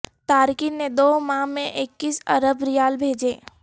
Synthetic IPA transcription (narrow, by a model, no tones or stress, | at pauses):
t̪aːɾkined̪oːmãːmẽʔɪkːisɐɾəbɾijaːlbʱeːd͡ʒeː